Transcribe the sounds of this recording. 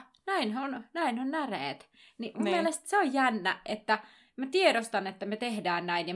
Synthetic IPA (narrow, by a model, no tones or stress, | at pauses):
næinhonnæinonnæreːt̪ | nimummmielest̪seojjænːæet̪ːæ | mæt̪ieɾost̪ɑnet̪ːæmet̪ehdæːnnæinjɑ